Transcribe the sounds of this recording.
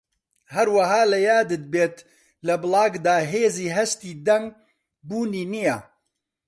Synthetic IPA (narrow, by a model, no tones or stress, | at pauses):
hɐɾwɐɦaːlɐjaːd̪ɨd̪̚beːt̪ | lɐbɨlɑːɡd̪aːɦeːziːɦɐʃt̪iːd̪ɛŋ | buːniːnija